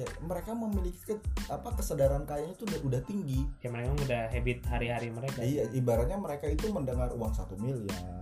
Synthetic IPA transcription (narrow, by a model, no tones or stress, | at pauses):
jaməɾekaməmiliki̥kəapakəsədaɾankajaŋit̪ududaht̪iŋɡijaməɾekaŋudahɦebɪt̪̚haɾiɦaɾiməɾekaijaʔibaɾaɲaməɾekait̪uməndəŋarṵwaŋsat̪umilja̰